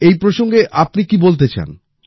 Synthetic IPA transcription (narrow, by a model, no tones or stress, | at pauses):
ejpɾoʃoŋɡeʔapnikibolt̪̬et͡ɕa̰n